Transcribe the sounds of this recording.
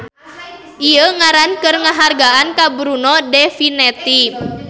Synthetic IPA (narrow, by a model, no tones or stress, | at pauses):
ʔiəŋaɾankɨrŋaɦarɡaankabɾunɔdɛfinɛt̪i